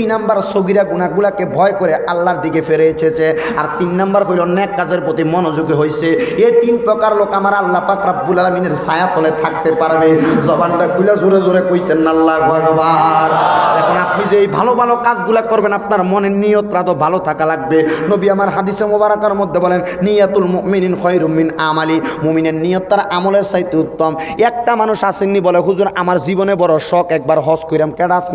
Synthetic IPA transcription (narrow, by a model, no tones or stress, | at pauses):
nambaɾsoɡiɾaɡunaɡulakebʱɔekɔɾɛalːaɾd̪ikepʰeɾet͡ʃʰet͡ʃʰe | aɾt̪innambaɾɦojlɔnɛkːazeɾpɾot̪imɔnozuɡeɦojseejt̪inpɾɔkaɾlokamaɾalːapakɾabbulaɾamineɾsajap̪ʰɔlet̪ʰak̚t̪epaɾbezɔbanʈakʰulazuɾezuɾekojt̪enalːabaɡɔbaɾd̪ɛkʰonap̚nizeejbʱalobʱalokad͡zɡulakɔɾbenapnaɾmɔnenijot̪ɾad̪obʱalot̪ʰakalaɡ̚benobiamaɾɦad̪isemobaɾakaɾmod̪ʱːebɔlenːijat̪ulmoʔmininxɔjɾumːinamalimomineɾnijɔt̪ːaɾʔamoleɾsajt̪ːeut̪ːɔmɛk̚ʈamanuʃasinːibɔleɦuzuɾamaɾzibɔnebɔɾɔʃɔkɛk̚baɾɦɔskojɾamkɛɽasn